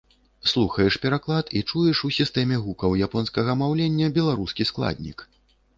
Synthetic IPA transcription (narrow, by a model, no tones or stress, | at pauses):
slˠuxɐjɛʂpʲɛɾaklˠat̪ʰit͡ʂujɛʂusʲist̪ɛmʲɛɣukɐwjapɔnskɐɣɐmawlʲenʲːɐbʲɛlˠaɾuskʲisklˠa̰d̪ʲnʲḭk